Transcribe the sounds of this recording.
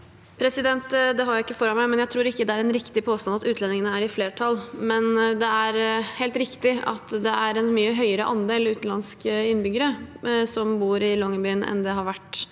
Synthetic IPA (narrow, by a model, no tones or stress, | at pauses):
pʰɾɛsɪd̪ɛnt̪d̪ɛɦɑɾjæɪkːəfɔɾɑnmæɪmɛnjæɪt̪ʰɾuːɾɪkːəd̪ɛæɾɛnɾɪkt̪ɪpʰoːst̪ɑnɑt̪ʉːt̪lɛnːɪŋənəæɾɪfleːʈʰɑlːmɛnd̪ɛæɾheːlt̪ɾɪkt̪ɪɑ̰t̪d̪ɛʔæɾɛnmyːəɦœʏəɾəʔɑnd̪eːlʉːt̪n̩lɑnskəɪnːbʏɡəɾəsɔmbuːɾɪlɔŋːəbyːənɛ̰nd̪ɛɦɑɾʋæʈː